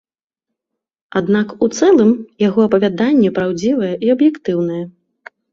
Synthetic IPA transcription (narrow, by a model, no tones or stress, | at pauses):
ad̪nakut̪sɛlˠɨmjaɣɔɐpɐvʲad̪anʲːɛpɾawd͡zʲivɐjɛʔiɐbjɛkt̪ɨwnɐjɛ